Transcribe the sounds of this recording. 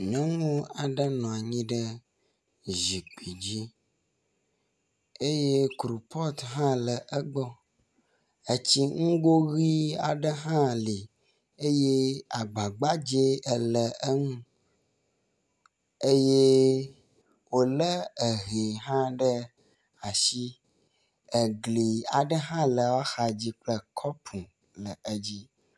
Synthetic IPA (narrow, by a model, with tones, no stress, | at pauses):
ɲɔ̃˦ŋũ˦a˨ɖə˦nɔ̃˨a˨ɲĩ˦ɖə˦ | ʒi˨k͡pi˨d͡ʑi˦ | e˦je˦kɾu˨pʰɔ˦t̪ɦã˦lə˨ʔə˦ɡ͡bɔ˦ | ə˨t͡ɕi˦ŋ̩˦ɡo˦ɣi˦a˨ɖə˦ɦã˦li˨ | e˦je˦a˨ɡ͡ba˨ɡ͡ba˦d͡ʒe˦ə˨lə˨ə˦ŋũ˦ | e˦je˦ | wo˦lə˦ə˨ɣe˨ɦã˦ɖə˦ | a˨ʃi˦ | ə˨ɡli˨a˨ɖə˦ɦã˦lə˨wa˦xa˨d͡ʑi˦k͡plə˦kʰɔ˦pʰũ˨ | lə˨ə˦d͡ʑi˦